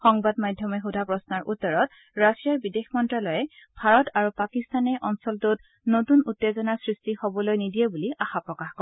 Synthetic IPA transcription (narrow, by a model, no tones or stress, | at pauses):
xɔŋbadmajdʱjɔmɛxudʱapɹɔsnaɹʔutːɔɹɔt | ɹasijaɹbidexmɔntɹalɔjɛbʱaɹɔtʰaɹupakistanɛʔɔnsɔltot | notunutːezɔnasɹistihobɔlojnidiɛbuliaxapɹɔkaxkɔ